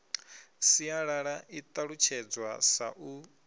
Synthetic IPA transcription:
siaɺaɺaʔit̪ʼaɺut͡ʃʰɛd͡zwasa̰ʔu

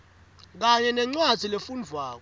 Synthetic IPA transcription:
k̬aɲɛnɛŋ͡ǀwadz̥ʱilefund͡vʱwaːk̬ɔ

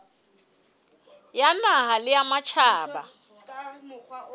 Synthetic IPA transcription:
janaɦalɪjamat͡ʃʰaːba̰

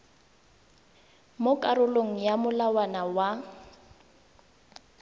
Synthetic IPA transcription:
mʊkʼaɾʊloŋ̩jamʊlawanawa

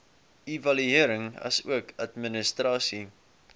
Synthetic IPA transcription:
ivɐlyiəɾəŋɐ̰sṵəkɐtmənəstrɑːsi

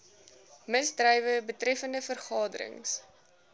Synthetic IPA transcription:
məsdrəjvəbətrɛfəndəfərχɑːdə̰ɾə̰ŋs

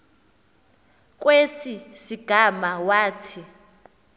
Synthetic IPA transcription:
k̬ʼwesisiɡ̥ʱamawaːtʰi

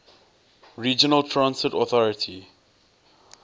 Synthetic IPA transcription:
ɹiːd͡ʒənəltʰɹãnsɪtɔθɔɹətʰi

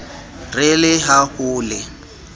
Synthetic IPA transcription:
rɪlɪɦahʊːlɪ

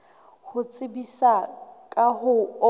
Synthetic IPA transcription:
hʊt͡sʼɪbisakʼahʊ

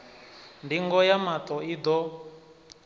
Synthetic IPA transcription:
ndiŋɡɔjamat̪ʼɔid̪ɔ

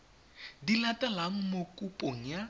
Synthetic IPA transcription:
dilatʼalaŋ̩mokʼupʼoŋ̩ja

